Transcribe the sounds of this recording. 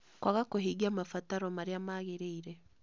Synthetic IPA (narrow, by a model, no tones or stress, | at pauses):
kwaɣakoɦiɡiamafataɾɔmaɾeamaːɣeɾeiɾɛ